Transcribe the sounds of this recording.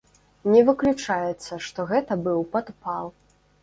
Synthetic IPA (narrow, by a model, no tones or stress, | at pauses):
nʲɛvɨklʲut͡ʂajɛt̪sːɐʂt̪ɔɣɛt̪ɐbɨwpad̪palˠ